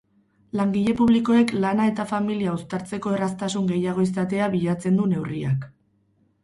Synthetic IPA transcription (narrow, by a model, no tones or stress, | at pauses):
laŋɡiʎe̞puβ̞liko̞e̞klanae̞t̪afamiliaust̪aɾt͡se̞ko̞e̞ras̬t̪asuŋɡe̞jaɣ̞o̞is̬t̪at̪e̞aβiʎat͡se̞nd̪une̞wria̰k